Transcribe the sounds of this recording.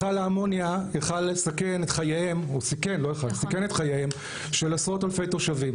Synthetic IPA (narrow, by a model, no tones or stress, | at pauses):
aleamo̞njajaχalːesake̞netχajeemusike̞nlo̞jaχalsikenetχajeem | ʃelasʁo̞talfe̞jto̞ʃavim